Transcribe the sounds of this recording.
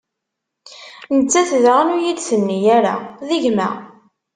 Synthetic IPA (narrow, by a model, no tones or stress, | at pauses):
nət͡sːæθðʁənujid̪θənːijæɾa̰ðiʝmæ̰